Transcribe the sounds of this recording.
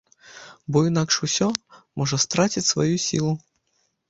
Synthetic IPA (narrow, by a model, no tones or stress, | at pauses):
bɔinakʂusʲɔmɔʐɐst̪ɾat͡sʲit͡sʲsva̰jusʲḭlˠu